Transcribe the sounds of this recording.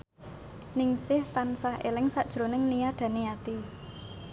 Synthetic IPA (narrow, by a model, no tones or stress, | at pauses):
nɪŋsɪht̪ansahʔḛlɪŋsaʔd̥ʒ̥ɾo̤nɪŋnijaɖ̥ä̤neat̪i